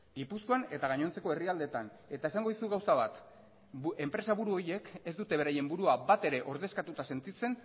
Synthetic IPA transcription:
ɡipusko̞ane̞t̪aɣ̞aɲo̞nt͡se̞ko̞e̞riald̪e̞t̪an | e̞t̪aesaŋɡo̞ðisuɣawsaβat̪ | e̞mpɾe̞saβuɾuo̞ɾje̞ke̞zd̪ut̪e̞β̞e̞ɾaje̞mbuɾuabat̪e̞ɾe̞ʔo̞ɾðe̞skat̪ut̪ase̞nt̪it͡se̞n

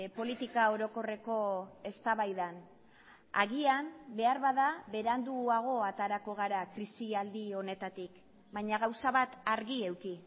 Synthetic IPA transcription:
po̞lit̪ikao̞ɾo̞ko̞re̞ko̞e̞st̪aβajðan | a̰ɣiambe̞aɾβaðaβe̞ɾand̪uaɣ̞o̞at̪aɾako̞ɣ̞aɾakɾisiald̪io̞ne̞t̪at̪ik | bajɲaɣ̞awsaβat̪aɾɣie̞wki

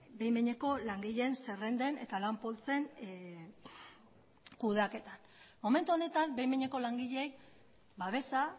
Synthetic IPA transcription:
be̞jmeɲe̞ko̞laŋɡiʎense̞re̞nd̪e̞ne̞t̪alampo̞lt͡se̞ŋ | kuð̞ake̞t̪an | mo̞me̞nt̪uo̞ne̞t̪ambejmeɲe̞ko̞laŋɡiʎeej | baβ̞e̞sa

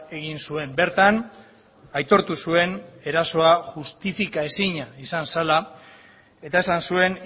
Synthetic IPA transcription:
e̞ɣ̞insue̞mbe̞ɾt̪an | ajt̪o̞ɾt̪usue̞ne̞ɾaso̞aʝust̪ifikae̞siɲaisansala | e̞t̪ae̞sansue̞n

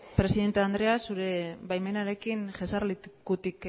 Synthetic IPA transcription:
pɾe̞siðe̞nt̪eand̪ɾe̞asuɾe̞βajme̞naɾe̞kinʝesaɾlit̪kut̪ik

